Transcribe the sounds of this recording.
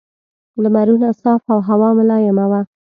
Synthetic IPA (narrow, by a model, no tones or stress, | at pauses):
ləmaɾunasɑfawɦawɑmʊlɑjamawa